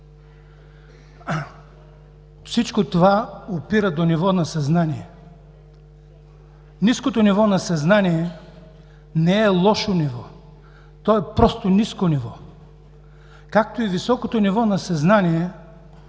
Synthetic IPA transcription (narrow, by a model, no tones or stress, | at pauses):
fsit͡ʃkot̪ovaopiɾəd̪onivɔnɐsɐznaniɛ | niskot̪onivɔnɐsɐznaniɛ | nɛɛlˠɔʃonivɔ | t̪ɔɛpɾɔst̪oniskonivɔ | kak̚t̪oivisɔkot̪onivɔnɐsɐznaniɛ